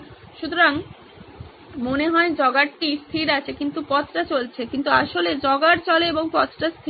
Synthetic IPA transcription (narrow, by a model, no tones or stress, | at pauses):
ʃut̪oɾaŋ | moneɦɔed͡ʑɔɡaʈʈist̪ʰiɾat͡ɕʰekint̪upɔt͡ɕʈat͡ɕolt͡ɕʰekint̪uaʃoled͡ʑɔɡaɾt͡ɕɔleeboŋpɔtʈast̪ʰi